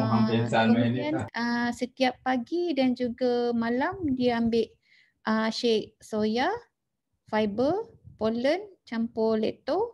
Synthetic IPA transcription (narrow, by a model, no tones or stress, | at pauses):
aisaeianəsət̪iapːaɡidand͡ʒuɡamalamdiaambɪʔ̪̚ | ʔəʃɛk̚soja | fajbəpolənt͡ʃampɔlɛt̪o